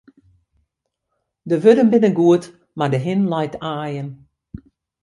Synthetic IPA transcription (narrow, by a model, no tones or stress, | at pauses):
dəʋødənbɪnəɡuət | mardəɦɪnlajtʰaːjən